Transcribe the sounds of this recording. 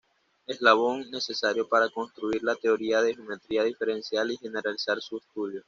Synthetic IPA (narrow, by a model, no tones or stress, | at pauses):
e̞zlaβ̞o̞ŋne̞se̞saɾjo̞paɾako̞nst̪ɾuiɾlat̪e̞o̞ɾiaðe̞heome̞t̪ɾiaðife̞ɾe̞nsjalixe̞ne̞ɾalisaɾsuest̪uðjo̞